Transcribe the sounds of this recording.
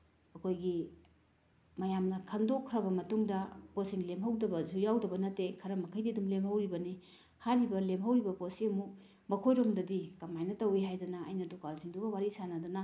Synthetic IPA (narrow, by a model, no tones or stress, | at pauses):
ɐkʰojɡi | mɐjamnɐkʰandokʰːɾɐbɐmɐtuŋdɐposiŋlemɦɐwdɐbɐzujawdɐbɐnɐtːekʰɐɾɐmɐkʰɐjdiɐdumlemhɐwɾibɐni | haɾibɐlemɦɐwɾibɐposiɐmuk̚ | mɐkʰojɾomdɐdikɐmajnɐtɐwiɦajdɐnɐ̰ːjnɐdukalsiŋduɡɐwaɾisanɐdɐnɐ